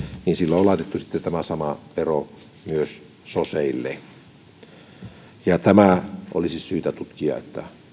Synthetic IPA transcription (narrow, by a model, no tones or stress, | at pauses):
niːnsilːoolɑˑet̪et̪ːusi̥t̪ːet̪æmæsɑmɑʋero | myøs | soseilːḛ | jɑt̪æmæʔo̰lisissyːt̪æt̪ut̪kiɑ̰ḛt̪ːæ